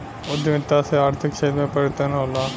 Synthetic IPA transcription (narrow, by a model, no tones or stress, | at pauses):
od̪imɪt̪ːaseaːɾt̪ʰɪkʃɐɦid̪mẽpəɾjət̪ənɦoːla